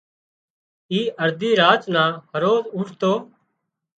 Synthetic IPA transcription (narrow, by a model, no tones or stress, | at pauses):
iːʔəɾd̪ʱiːɾaːt͡ʃnãːhəɾoːzʊʈʰt̪oː